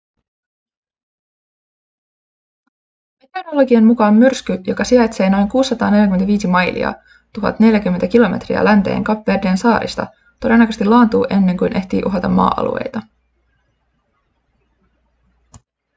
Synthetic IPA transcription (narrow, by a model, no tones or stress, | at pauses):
met̪ernolo̞ɡiɑmmukɑːmːyrskyjo̞kɑsiɑjt̪se̞ːno̞jŋkuːsːɑt̪ɑːne̞ljækymenæʋiːsimɑjlḭɑ̰ | t̪uɦɑ̰t̪ne̞ljæk̟ymːenækilo̞me̞t̪rḭæ̰lænt̪e̞̰ːŋkɑpːeːrdeːnsɑːɾḭst̪ɑ̰ | t̪o̞de̞nːɑkøst̪ilːɑːnt̪uːʔe̞nːe̞ŋkujnʔe̞ht̪ḭːʔuɦɑt̪ɑmːɑ̰ːʔɑ̰lṵe̞̰jt̪ɑ